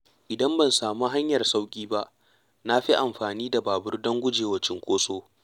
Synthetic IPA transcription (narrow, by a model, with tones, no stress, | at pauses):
ʔɪ˨dɐ˦mbɐ˨nsaː˨mu˦ɦa˦ɲjɐ˨rsa˦wkʲʼiː˦ba˦ʔ | na˦ɸi˦ʔa˨mɸaː˨niː˦da˨baː˨bʊ˦rdɐ˦ŋɡʷʊ˦d͡ʒeː˨wɐ˦t͡ʃɪ˦ŋkʷoː˦soː˦